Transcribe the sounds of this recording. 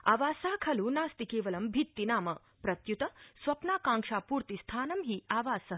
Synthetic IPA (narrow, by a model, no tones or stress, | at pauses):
aːʋaːsaːkʰɐluːnaːst̪ikeːʋɐlɐmbʱit̪ːinaːmɐ | pɾɐt̪jut̪ɐsʋɐpnaːkãːŋʂaːpuːɾt̪ist̪ʰaːnɐmɦiːaːʋaːsɐ